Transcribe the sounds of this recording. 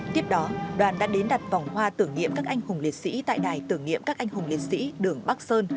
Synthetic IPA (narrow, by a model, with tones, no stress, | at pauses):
t̪i˦˥əp̚ɗɔ˨˦ɗwaː˨˩nɗa̰ː˧˥ɗe˨˦nɗa˨˩t̚va˨˩wŋ͡mhwaː˧t̪ɨ˧˩əŋɲḭ˧˨əmkaː˦˥k̚ʔa˧ŋhʊ˨˩ŋ͡mli˨˩t̚sḭ˧˥t̪a̰ː˧˨jɗaː˨˩jt̪ɨ˧˩əŋnḭ˧˨əmkaː˦˥k̚ʔa˧jŋ̟hʊ˨˩ŋ͡mli˨˩t̚sḭ˧˥ɗɨ˨˩əŋɓaː˦˥k̚səː˧n